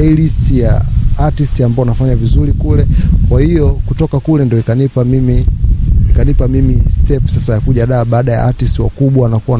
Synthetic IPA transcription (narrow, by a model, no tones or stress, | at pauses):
ilistijaatistiambaɔnafaɲavizuɾikulɛkwahijɔkutɔkakulɛndijɔikanipamiminikanipamimistɛpsasajakuʄaɗaːɓaːɗaja̰atistiwa̰kuɓwanakua